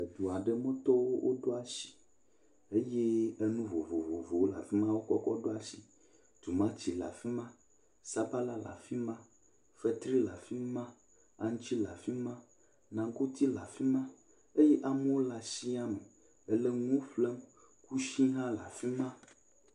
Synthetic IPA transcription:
e˨d̪u˨a˨ɖe˦mɔ̃˦t̪ɔ˦wo˦wʔo̰˦ɖo˦a˦ʃi̥˨ | e˦je˦e˦nũ˦vo˨vo˨vo˨vo˨wo˦la̰˨fi˦mã˦wo˦kɔ˦kɔ˦ɖo˦a˨si˨ | t̪u˨mã˦t͡ɕi˨la̰˨fi˦mã˦ | sa˦ba˦la˦la̰˨fi˦mã˦ | fɛ˦t̪ɾi˦la˨fi˦mã˦ | a̰˨ŋũ˦t͡ɕi˦la˨fi˦mã˦ | nã˨ko˦t̪i˦la˨fi˦mã˦ | e˦je˦ʔa˨me˦wo˦la˨si˦a˦mẽ˨ | e˨le˦ŋũ˦ɸle˦m | ku˦ʃĩ˦ɦã˦la̰˨fi˦mã˦

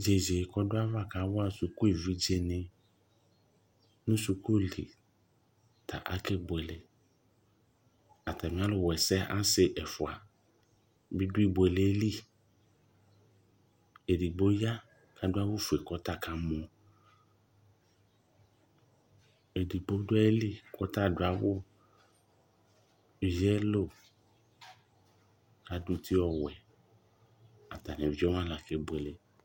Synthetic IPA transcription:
d͡ʒe˨d͡ʒe˨kʰɔ˦dʊ˦a˦va˦ka˨˦wʊ˦a˨su˨ku˦e˨vi˦d͡ʒe˦nɪ̃˦ | nʊ̃˦su˨ko˦e˦˨lḭ˨ | tʰa̰˨ʔa̰˦kʰɛ˦bʊ˨ɛ˨lɛ˨ | a˨tʰa˨mɪ̃˨˦a˦lʊ˨wɛ˨sɛ˦a˦sɪ˨ʔɛ˨fʊ˨a̰˨ | bi˦dʊ˦i˦˨be˨le˨˦li˦ | e˨di˨ɡ͡bo˦ja˦ | ka˦dʊ˦a˦wʊ˦fu˨e˨kɔ˦ta˦ka˦mɔ̃˨ | e˨di˨ɡ͡bo˦dʊ˦ɛ˦e˦li˦kɔ˦ta˦˨dʊ˦a˨wʊ˦˨ | vi˦ɛ˦lo˦˨ | ka˦du˦t̪i˦ɔ˨wɛ˨ | a˨ta˨nɛ˨vi˨˦ɔ˦mã˦la˨ke˦bo˨e˨le˨

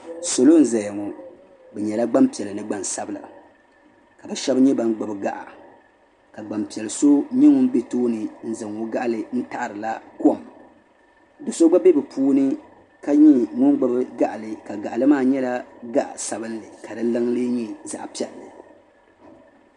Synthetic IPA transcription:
so˨lo˦n̩˦za˨ja˨ŋɔ˨ | bɛ˨ɲɛ˨la˦ɡ͡ba˦mpi˨ɛ˨lɨ˨nɨ˨ɡ͡ba˨nsa˦bɨ˦la̰˨ | ka˨bɛ˨ʃɛ˦bɲɛ˦ba˦n˦ɡ͡bo˨bɨ˨ɡa̰˦ʔa̰˨ | ka˨ɡ͡ba˨mpi˨ɛ˨lɨ˨so˦ɲɛ˦ŋʊ˦n˦be˦toː˦nɨ˨n̩˦zɨ˨ŋo˦ɡa˦ʔlɨ˨n̩˦ta˦ʔɾɨ˨la˦ko˦˨m | dɨ˨so˦ɡ͡ba˦be˦bɨ˨pʰuː˦nɨ˦ | ka˦ɲi˦˨ŋʊ˦n˦ɡ͡ba˨bɨ˦ɡa˦ʔa˨lɨ˨ka˨ɡa˨ʔlɨ˦maː˦˨ɲɛ˦la˦ɡa˦ʔa̰˨sa˨bɨ˦n˦lɨ˨ka˨dɨ˦lɨ˦ŋlɨ˦ɲi˦za̰˨ʔpi˦ɛ˨lːɨ˨

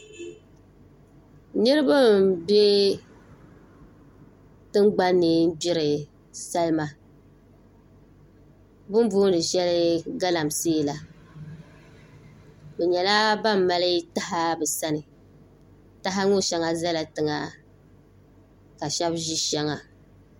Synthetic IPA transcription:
nɨ˦ɾɨ˦ba˦mbe˦ | tɨ˦ŋɡ͡ba˦nːɨ˨n̩˦bi˦ɾɨ˨ | sa˦lma˦ | bʊ˦m˦buː˦nɨ˨ʒɛ˦lɪ˦ɡa˦la˨mseː˦˨la˨ | bɛ˨ɲɛ˨la˦ba˦mː˨a˦lɨ˦ta˦ɦa˦bɛ˨sa˦nɨ˨ | ta˦ɦa˦ŋo˦˨ʃɛ˦ŋa˨za˦la˨tɨ˨ŋa˨ | ka˨ʃɛ˦bʒi˦ʃɛ˦ŋa˨

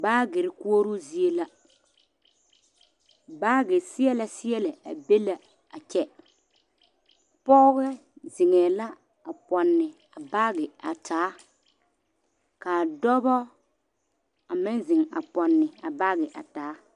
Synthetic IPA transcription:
baː˦ɡɪ˨ɾɪ˨ku˦o˦ɾu˦zi˦e˦la˦ | ba˦ɡɪ˨sɪ˦ɛ˦la˨sɪ˦ɛ˦lɪ˨a̰˨be˦la˦ | a˨t͡ʃɛ˦ | pɔː˦ɣɛ˦ | zɪ˨ŋɛː˨la˦ | a˨pɔ˨nːɪ˨ | a˨baː˦ɣɪ˨a̰˨tʰaː˨˦ | kaː˨dɔ˦bɔ˦ | a˨mɪ˦n˦zɪ˨ŋa̰˨pɔ˨nːɪ˨a˨ba˦ɣɛ˨ʔa̰˨taː˨˦

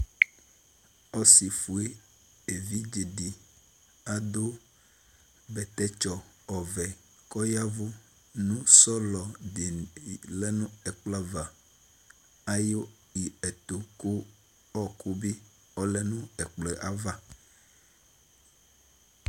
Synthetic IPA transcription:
ɔ˦si˨fu˨e˦ | e˨vi˦d͡ʒi˨di˨ | a˦d̪o˦ | bɛ˨t̪ɛ˦t͡ʃɔ˨ | ɔ˨vɛ˨ | kɔ˦ja˦vu˦ | nũ˦sɔ˦lɔ˨di˨lɛ˦nũ˦ɛ˨k͡pla˦va˨ | a˦jo˦ | i˨ɛ˨t̪o˨ku˦ | ɔ˦ku˦bi˦ | ɔ˦lɛ˦nũ˦ɛ˨k͡plɛ˨ʔa˨va˦

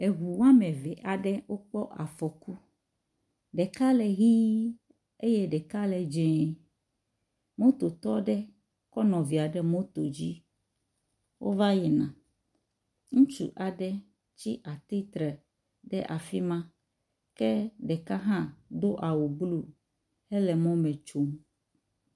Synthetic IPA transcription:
e˨ɣu˨wa˦mɛ̃˨vɛ˨ʔa˨ɖɛ˦wo˦k͡pɔ˦ʔa˨fɔ˨ku˦ | ɖɛ˨ka˦lɛ˨ɦi˦ | e˦je˦ɖɛ˨ka˦lɛ˨d͡ʒɛ̃˨˦ | mõ˦t̪o˨t̪ɔ˦ɖɛ˦ | kɔ˦nɔ̃˨vi˨a˨ɖɛ˦mõ˦t̪o˨d͡ʑi˦ | wʔo̰˦va˦jɛ˨nã˨ | ŋũ˦t͡ʃṵ˨ʔa˨ɖɛ˦ | t͡ɕi˦ʔa˨t̪i˦t̪ɾɛ˨ | ɖɛ̰˦ʔa˨fi˦mã˦ | kɛ˦ɖɛ˨ka˦ɦã˦d̪o˦ʔa˨wu˨blu˦ | hɛ˦lɛ˨mɔ̃˦mɛ̃˨t͡ʃo˦m

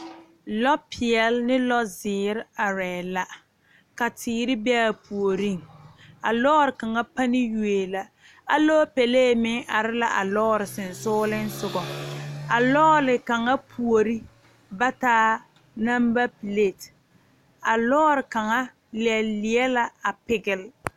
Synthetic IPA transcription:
lɔ˦pʰi˨ɛ˨lnɪ˦lɔ˦zɪː˨˦ɾa˨ɾɛː˨la˨ | ka˨tʰiː˨˦ɾɪ˦bɛ˦a˨pu˨o˨ɾi˦˨ŋ˨a˨lɔː˦ɾɪ˨ka˨ŋa˦pa˦nɪ˦ju˨e˨la˨ | a˨loː˦pɛ˨leː˦˨mɪ˦ŋʔa˨ɾɪ˦la˨ʔa˨lɔː˦ɾɪ˨sɪ˨n̩˨sʊː˦lɪ˦n˦sʊ˨ɡɔ˨a˨lɔː˦lɪ˨ka˨ŋa˦pʰu˨o˨ɾi˦ | ba˦taː˦ | na˦mba˦pi˨le˦˨t | a˨lɔː˦ɾɪ˨ka˨ŋa˦ | lɪ˨ɛ˨lːɪ˨ɛ˦la˦a˨pɪ˨ɡɪ˨l

